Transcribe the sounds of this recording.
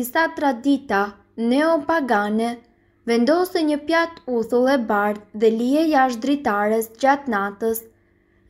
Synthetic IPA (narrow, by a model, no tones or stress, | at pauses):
isat̪ɾad̪it̪a | nɛɔpaɡanɛ | vɛnd̪ɔsɛɲəpjat̪uθulˠɛbaɾððɛliɛjaʃ̬d̪ɾit̪aɾɛsd͡ʑat̪nat̪əs